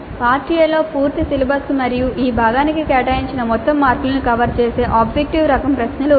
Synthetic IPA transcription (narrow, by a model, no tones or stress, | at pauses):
paːɾʈiːjɐlːo̞ːpuːɾt̪isilibʱɐskumɐɾijuʔiːbʱaːɡaːnikikɛːʈaːjiɲt͡ʃinɐmɔt̪ːɐmːaːɾkulɐnukɐʋɐɾt͡ʃeːse̞ːʔaːbd͡ʒek̚ʈiʋɾɐkɐmpɾɐʃnɐlu